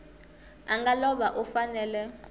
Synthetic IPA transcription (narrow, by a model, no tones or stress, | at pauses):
aŋɡalɔɓaʔufanɛːlɛ